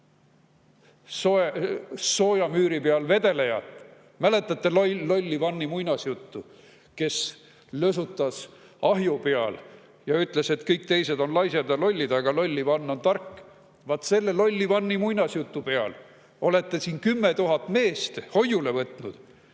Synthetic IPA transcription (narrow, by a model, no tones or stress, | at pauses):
so | so̞ːjɑmyːɾipeɑlve̞d̪e̞lejɑ̰t̪ːˑ | mæle̞t̪ːˑɑt̪ˑːe̞llo̞lʲːivɑnːimujnɑsjut̪ːu | ke̞s | løsut̪ːˑɑs | ɑɦjupeɑl | jɑyt̪ˑle̞se̞t̪kɤjk̚t̪e̞jse̞d̪o̞nlɑjsjɑd̪ɑlo̞lʲːid̪̥ɑɡ̥ɑlo̞lʲːivɑnːo̞nt̪ɑrkː | vɑt̪ːse̞lːelo̞lʲːivɑnːimujnɑsjut̪ːupe̞ɑl | o̞le̞t̪ːˑe̞siːnkymːe̞t̪uɦɑt̪ːˑme̞ːst̪ho̞jule̞vɤt̪ˑnud̪̥